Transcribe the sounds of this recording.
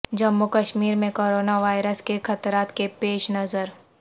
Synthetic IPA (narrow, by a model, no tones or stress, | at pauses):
d͡ʒɐmːukəʃmiːɾmẽkoːɾoːnaʋaːɪɾəskexɐt̪ɾaːt̪kepeːʃnɐzəɾ